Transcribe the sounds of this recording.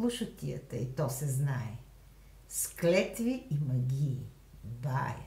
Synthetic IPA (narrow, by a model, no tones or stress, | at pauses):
lˠuʃət̪ʲijə̰t̪əit̪ɔsɛznaɛ | sklɛt̪viimɐɡʲiː | b̪a̰jə̰